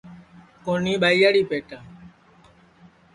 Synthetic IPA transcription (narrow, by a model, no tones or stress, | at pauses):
koːniːɓaːijaːɽiːpeːʈãː